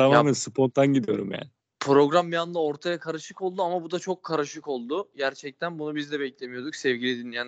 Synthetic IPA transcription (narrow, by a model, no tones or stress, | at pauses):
t̪ʰamaːmænsɯpʰont̪ːanɟid̪ijo̞ɾumja̰ːnɪ | pʰɾo̞ɡɾambijand̪ˠao̞ɾt̪ʰajakʰaɾɯʃɯko̞lˠd̪uamabud̪at͡ʃʰo̞kʰːaɾɯʃɯko̞lˠd̪ʊɟæɾt͡ʃʰɛc̚t̪ʰænbunubizd̪ɛbɛclʲe̞mijo̞ɾd̪uksɛvɟilʲid̪inijan